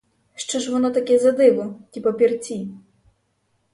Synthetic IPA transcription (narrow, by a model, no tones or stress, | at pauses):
ʂt͡ʃɔʐʋɔnɔt̪akʲɛzad̪ɪʋʊkʲipɔpʲirt͡sʲi